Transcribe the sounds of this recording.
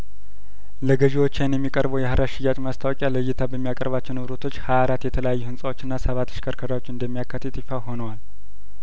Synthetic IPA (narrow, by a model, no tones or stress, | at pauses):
ləɡəʒiwot͡ʃːanjɛmːikʼəɾbəwjɛhəɾaʃɪjːat͡ʃʼmast̪ʰawɔkʼjaləjːɪt̪ʰabəmːijakʼə̰ɾβat͡ʃːɪnɨβɾot̪ʰo̞t͡ʃːhaaɾat̪jɛt̪ʰələjajːuhɨnsʼawo̞t͡ʃːɨnːasəβat̪ːɨ̥ʃkʰəɾkʰəɾawot͡ʃːɨnd̪əmːijakːat̪ːɨt̪ʼifawho̞nəwal